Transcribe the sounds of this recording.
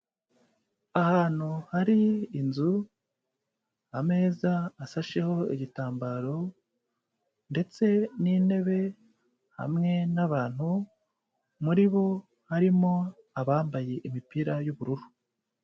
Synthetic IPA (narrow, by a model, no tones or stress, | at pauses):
ahaːn̥huhaɾiːnzu | hame̞ːzaːsaʃe̞ho̞iɟitaːmbaɾo̞ | nde̞t͡se̞nine̞βe̞ | ha̰mŋe̞naβaːn̥hu | muɾiβo̞ | haɾimo̞ | aβaːmbaje̞ʔimipiɾajuβuɾuɾu